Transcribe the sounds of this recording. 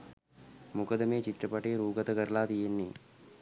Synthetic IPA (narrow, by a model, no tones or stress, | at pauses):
mukəd̪əmeːt͡ʃit̪ɾəpɐʈeːɾuːɡət̪əkəɾɐlaːt̪ijenːi